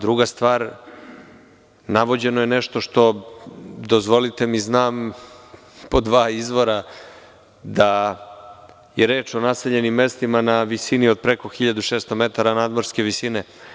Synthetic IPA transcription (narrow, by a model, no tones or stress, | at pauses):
d̪ɾuɡast̪ʋaːɾ | naʋo̞d͡ʑe̞no̞jeneʃt̪o̞ʃt̪o̞ | d̪ozʋo̞lit̪e̞miznaːm | po̞d̪ʋaːizʋo̞ɾa | d̪a | jeɾe̞ːt͡ʃo̞nase̞ʎe̞nimːe̞st̪imanaʋisinio̞d̪̚pɾe̞ko̞xiʎad̪uʃeːst̪o̞me̞t̪aɾanaːd̪mo̞ɾske̞ʋisine